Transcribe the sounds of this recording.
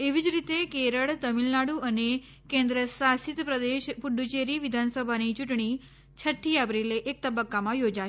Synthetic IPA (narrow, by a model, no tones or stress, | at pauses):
eʋid͡ʒɾit̪ekeɾəɭt̪əmilnaɽuʔəne | kẽnd̪ɾəsasit̪pɾəd̪eʃpuɖut͡ʃeɾiʋid̪ʱansəbʱanit͡ʃuʈɳ̃i | t͡ʃʰəʈʰːiapɾileʔːk̚t̪əbəkːamãjod͡ʒa